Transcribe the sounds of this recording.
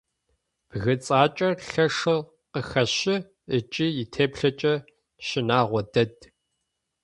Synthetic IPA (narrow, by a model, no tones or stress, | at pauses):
b̥ɣɨt͡sʼaːt͡ʃʼɐɬɐʂɨ | qəxɐɕɪ | ət͡ʃʼijɪtʰeːpɬɐt͡ʃʼɐ | ʃɪnaːʁʷɔdɐd